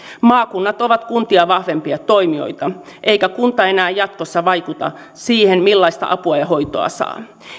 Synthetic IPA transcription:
mɑːkunːɑt̪o̞ʋɑt̪kunt̪iɑʋɑhʋe̞mpiɑt̪o̞imio̰jt̪ɑʔeikækunt̪ɑenæːjɑt̪kosːɑʋɑikut̪ɑ̰ | siːhenmilːɑist̪ɑ̰ʔɑpuɑjɑho̞jt̪oɑ̰sɑ̰ː

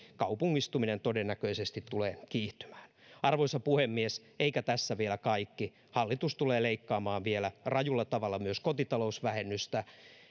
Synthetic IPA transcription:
kɑupuŋːist̪uminent̪odenːækøisest̪it̪tːuleːkiːht̪y̥mæ̥ːnɑrʋoisɑpuhemːies | eikæt̪æsːæʋielækɑikːi | hɑlːit̪ust̪uleːleikːɑːmɑːʋʋielærɑjulːɑt̪ɑʋɑlːɑmyøskot̪it̪ɑlousʋæhenːyst̪æ

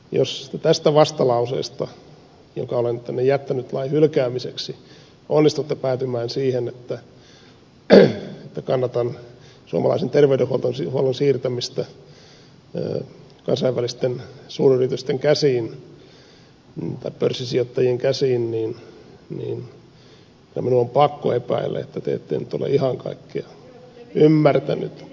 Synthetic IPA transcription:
jo̰st̪et̪æst̪æʋɑst̪ɑlɑusḛːst̪ɑ | jo̰kɑolent̪ːænːejæt̪ːænyt̪lɑihylkæːmiseksi | onːist̪ut̪ːepæːt̪ymæːnsiːhenet̪ːæ | et̪ːækɑnːɑt̪ɑn | suo̰mɑlɑ̰isent̪erʋeydehuolt̪onsihuolonsiːrt̪æmist̪ɑ | ə̰ | kɑnsɑiʋːælist̪ensuːryrit̪yst̪eŋkæsiːn | t̪ɑipørsːisiot̪ːɑjieŋkæsiːnniːnnḭːn | kinæ̰minuompɑkːo̰epæ̰ilːḛḛt̪ːæt̪ḛḛt̪ːḛinyt̪o̰lḛʔihɑŋkɑ̰ikːiɑ | ymːært̪æny̰t̪

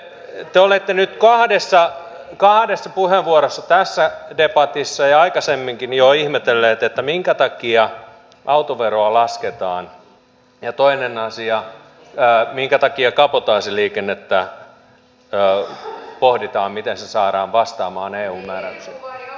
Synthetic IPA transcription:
t̪eolet̪ːenyt̪kɑhdesːɑ | kɑhdesːɑpuheʋʋuoɾosːɑt̪æsːædepɑt̪isːɑjɑɑikɑsemːiŋkinjoihmet̪elːeːt̪et̪ːæmiŋkæt̪ɑkiɑ | ʔɑut̪oʋeroɑlɑsket̪ɑːn | jɑt̪oinenɑsiɑː | miŋkæt̪ɑkiɑkɑpot̪ɑːsiliːkenːet̪ːæ | ø | pohdit̪ɑːmmit̪ensesɑːɾɑːʋʋɑst̪ɑːmɑːneːuːmmæːɾæ̰t̪yse

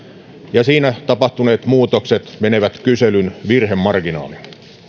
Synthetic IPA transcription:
jɑsiːnæt̪ɑpɑht̪uneːt̪muːt̪okset̪mene̞ʋæt̪kyselynʋirɦemːɑrɡ̥inɑ̰ːlin

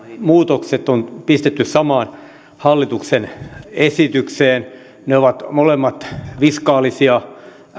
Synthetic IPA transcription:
muːt̪okset̪ːonpist̪et̪ːyssɑmɑːn | hɑlːit̪uksenesit̪ykseːn | neoʋɑt̪molemːɑt̪ʋiskɑːlisiɑ

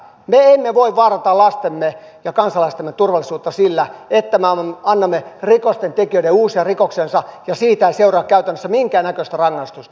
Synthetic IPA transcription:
meemːeʋoiʋʋɑːrɑt̪ɑlɑst̪emːe | jɑkɑnsɑlɑist̪emːet̪urʋɑlːˑisuːt̪ːɑsilːæet̪ːæmeɑɑnːɑmːerikost̪ent̪ekiøiɾeuːsiɑrikoksensɑjɑsiːt̪æiseurɑːkkæyt̪ænːøsːæmiŋkæːnækøst̪ærɑŋːɑist̪ust̪ɑɑ̥

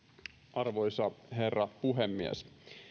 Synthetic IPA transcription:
ʔɑrʋojsɑɦe̞rːɑpuɦemːiḛs

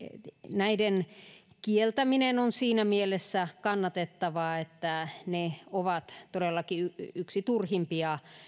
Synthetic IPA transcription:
næiden | kielt̪æminenonsiːnæmielesːækɑnːɑt̪et̪ːɑʋɑet̪ːæneoʋɑt̪t̪odelːɑkiyyksit̪urhimpiɑ

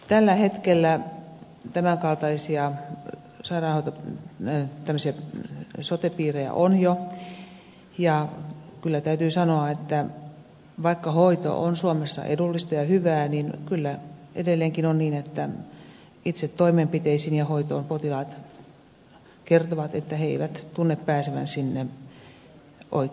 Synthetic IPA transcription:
t̪ælːæhet̪kelːæ | t̪æmæŋkɑlt̪ɑisiɑ | sɑirɑːnhoit̪o | t̪æmːøsiɑ | sot̪epiːrejæ̰ʔonjo | jɑkylːæt̪æyt̪yːsɑnoɑet̪ːæ | ʋɑikːɑhoit̪o̰ʔo̰nsuomesːɑ̰ʔḛdulːist̪ɑjɑhyʋæːninkylːæʔḛdelːeːŋkinonniːnet̪ːæ | it̪set̪t̪oimempit̪eisinjɑhoit̪oːmpot̪ilɑːt̪ | kert̪oʋɑt̪et̪ːæheeiʋæt̪t̪unːeppæːseʋæ̰nsinːe | ʔo̰ikː

